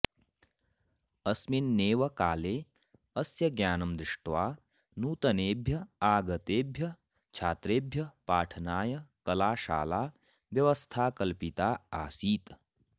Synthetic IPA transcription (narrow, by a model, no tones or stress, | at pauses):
ɐsminːeːʋɐkaːleː | ɐsjɐɡjaːnɐmd̪ɾɪʂʈʋaː | nuːt̪ɐneːbʱjɐaːɡɐt̪eːbʱjɐ | t͡ʃʰaːt̪ɾeːbʱjɐpaːʈʰɐnaːjɐkɐlaːʃa̰ːlaː | ʋjɐʋɐst̪ʰaːkɐlpit̪aːa̰ːsiːt̪